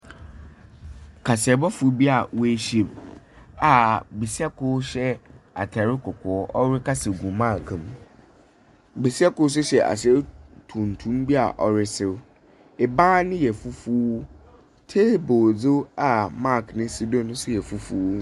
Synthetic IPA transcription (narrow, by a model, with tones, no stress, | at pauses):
kʰa˨sɪ˨ɛ˨bɔ˦fu˨˦bi˦a˨we˦˨˦ɕe˨b | a˨be˨si˦a˦kʰʊ˦ɕɛ˦a̰˨tʰa˨ɾɪ˦kʰʊ˨kʰʊ˨˦ɔ˦ɾɪ˦ka˦sɪ˨ɡu˨mã˦˨kʰm | be˨si˦a˦kʊ˦s̬ʊ˦ɕɛ˨ʔa̰˨sɛ˦ɾɪ˦tʰũ˨n˨tʰũ˦mbi˦a̰˨ʔɔ˨ɾɪ˦sɪ˨ɾ | e˨bãː˦nɪ̃˦jɛ˨fu˦fu˦ | tʰe˦boː˨d͡zo˦a˨ma˦˨knɪ̃˦si˦dɔ̃˦nʊ̃˦sʊ˦jɛ˨fu˦fu˦